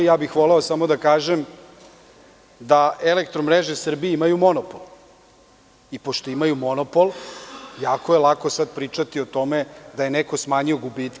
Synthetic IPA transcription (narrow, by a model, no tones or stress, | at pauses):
jaːbixʋoleosamo̞d̪akaːʒem | d̪aelekt̪ɾomɾeʒesr̩bieimajumo̞nopolˠ | ipoʃt̪o̞imajumonopoljaːkojelˠako̞sad̪̚pɾiːt͡ʂat̪iot̪o̞med̪aje̞neko̞smaːɲio̞ɡubit̪